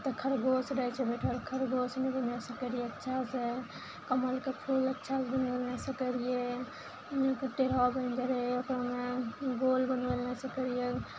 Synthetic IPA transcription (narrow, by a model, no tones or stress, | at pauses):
t̪ɔkʰəɾɡosɾət͡ʃʰɛbeʈʰəɾkʰəɾɡosnebənesəkəɾijeətːʃʰase | kəməlkepʰulətːʃʰasbənɡəlnesəkəɾije | kʈeɾabənd͡ʒəɾeokɾameɡolbənɡelnesəkəɾije